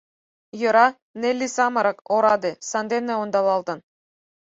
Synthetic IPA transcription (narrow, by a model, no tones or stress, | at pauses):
jɤ̆ɾɑ | nelʲːisɑmɤ̆ɾɤ̆koɾɑd̪esɑnd̪enːĕond̪ɑlˠɑlˠd̪ɤ̆n